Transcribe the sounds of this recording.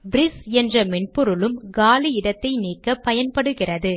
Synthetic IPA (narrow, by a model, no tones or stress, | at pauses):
bɪɾɪsɛndrɐmɛɳpʊɾɯlɯmɡaːliɪɽɐt̪ːɐɪniːkːɐpːɐjɐnpɐɽɯɣɪrɐðɯ